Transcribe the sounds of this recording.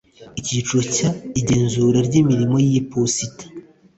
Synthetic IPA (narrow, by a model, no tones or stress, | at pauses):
icit͡ʃocaiɟe̞ːnzuːɾaɾɟimiɾimo̞jipositḁ